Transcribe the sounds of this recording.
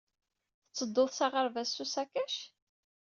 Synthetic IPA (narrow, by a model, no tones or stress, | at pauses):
θət͡sːəd̪ːoðsaʁəɾvæsːusækæʃ